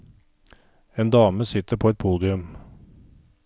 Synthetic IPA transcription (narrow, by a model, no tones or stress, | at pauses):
eːnd̪ɑːməsɪt̪əpʰoːɛt̪̚pʰuːd̪ɪʉm